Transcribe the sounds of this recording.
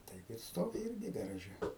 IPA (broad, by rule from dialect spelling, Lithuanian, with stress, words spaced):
ˈtɐɪp ɪr ˈstoːʋʲɪ ˈɪrʲɡʲɪ ɡɐrɐˈʒʲɛ